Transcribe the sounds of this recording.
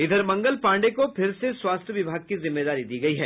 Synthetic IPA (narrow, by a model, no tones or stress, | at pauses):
ɪd̪ʱəɾmɐ̃ŋɡəlpãːɳɖekopʰɪɾseswaːst̪ʰjəʋɪbʱaːɡ̚kizɪmːeːd̪aːɾid̪iːɡɐiɦɛː